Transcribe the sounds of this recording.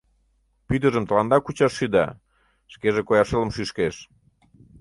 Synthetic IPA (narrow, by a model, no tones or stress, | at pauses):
pyd̪ə̆ʒəmt̪əlɑnd̪ɑkut͡ɕɑʃːyd̪ɑ̰ | ʃkeʒekojɑʃeləmʃyʃkeʃ